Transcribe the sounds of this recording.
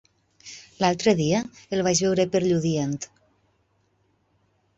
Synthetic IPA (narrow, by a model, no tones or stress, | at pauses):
lalˠt̪ɾeðiəelβaʒβewɾepeɾʎuðient̪